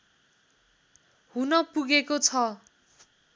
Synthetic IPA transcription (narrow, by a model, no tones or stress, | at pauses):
hunʌpuɡekot͡sʰʌ